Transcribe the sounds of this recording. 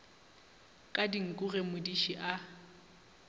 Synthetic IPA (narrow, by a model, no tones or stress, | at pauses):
kʼadiŋ̩kʼʊɣemʊdiʃiʔa